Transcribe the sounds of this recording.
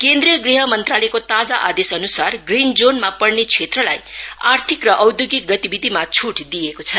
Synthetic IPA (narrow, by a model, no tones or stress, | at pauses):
kend̪rijʌɡriɦʌmʌnt̪ralekot̪ad͡zaʔad̪esʌnusarɡrind͡zonmapʌrnet͡sʰet̪rʌla̰ja̰rt̪ʰikrʌʔʌwd̪joɡik̚ɡʌt̪ibid̪ʱimat͡sʰuʈd̪ijekot͡sʰʌ